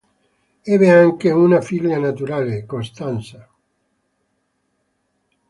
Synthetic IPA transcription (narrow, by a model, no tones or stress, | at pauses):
ɛbeaŋkeunafiʎanat̪uɾaːlekost̪ansa